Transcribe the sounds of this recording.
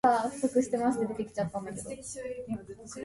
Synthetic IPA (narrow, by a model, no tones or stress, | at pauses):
aɸ̟sokɯ̟ɕi̥t̪e̞maɕi̥t̪ed̪e̞t̪e̞kʲi̥t͡ɕat̪ːãnd̪ake̞d̪o